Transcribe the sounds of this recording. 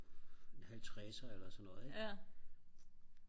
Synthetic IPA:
enhælt͡sʰʁɛːsɐelɐsɒnːɔ̽ːð̩ˠeɡ

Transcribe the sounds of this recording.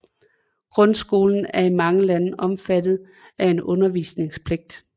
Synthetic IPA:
ɡ̥ʁɔ̽nsɡ̥o̝̰ːln̩æɐimɑ̈ŋəlænəʔɒ̽mfæd̥ð̞̩ˠ | ʔæe̝nɔ̽nɐʋiːsne̝ŋspʰle̝ɡ̥̚d̥

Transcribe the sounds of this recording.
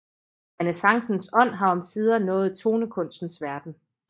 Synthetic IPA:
ænəsɑ̈ŋsn̩sɒ̽n̰ɦɑ̈ɒ̽mt͡sʰiːð̞ˠɐnɔ̰̽ːð̩ˠt͡sʰo̝ːnəkʰɔ̽n̰sd̥n̩sʋæɐd̥n̩

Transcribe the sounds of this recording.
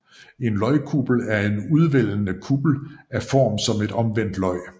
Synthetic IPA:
e̝nlɒɪkʰuːb̥l̩æɐe̝nuð̞ˠʋel̰nəkʰuːb̥l̩æfɒ̰ːmsɒ̽me̝d̥ɒ̽mʋen̰d̥lɒ̽ɪ

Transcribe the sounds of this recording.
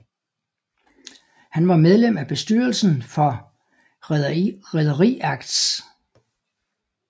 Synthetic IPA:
hænʋɑ̈með̞ˠlem̰æb̥e̝sd̥yːɐlsn̩fɒ̽ | ʁɛðˠɐʁḭːɑɡ̥d̥s

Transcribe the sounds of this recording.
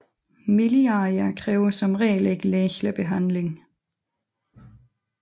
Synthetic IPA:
miliɑɐkʰʁɛːʊɐsɒ̽mʁɛ̰ːle̝ɡ̥leːçləb̥e̝ɦæn̰le̝ŋ

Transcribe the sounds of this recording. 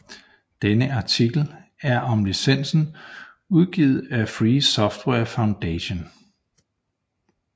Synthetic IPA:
d̥enəɑ̈t͡sʰiɡ̥l̩æɐʔɒ̽mlisen̰sn̩ | uð̞ˠɡ̥iːð̞̩ˠæfʁiːsɒ̽fd̥wɛɐfäʊnd̥eɕo̝n

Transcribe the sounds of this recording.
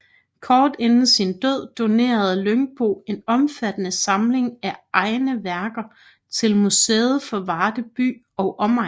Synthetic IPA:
kʰɒːd̥enn̩sind̥øð̰ˠd̥o̝ne̝̰ːɐð̞̩ˠløŋb̥o̝̰ːe̝nɒ̽mfæd̥ənəsɑ̈mle̝ŋæʔɑ̈ɪnəʋæɐɡ̥ɐ | t͡sʰe̝lmuseːð̞̩ˠfɒ̽ʋɑ̈ːd̥əb̥y̰ː | ɒ̽ʊʔɒ̽mɑ̈

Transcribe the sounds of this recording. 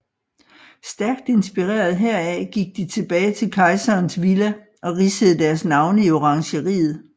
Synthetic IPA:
sd̥æɐɡ̥̚d̥e̝nsb̥iʁḛːɐð̞ˠɦeɐ̰æɡ̥iɡ̥̚d̥it͡sʰe̝b̥ɛːɪt͡sʰe̝lkʰɑ̈ɪsɐːnsʋilə | ʔɒ̽ʁisəð̞̩ˠd̥æɐsnɑ̈ʊnəio̝ʁɑ̈ŋɕəʁḭːð̞̩ˠ

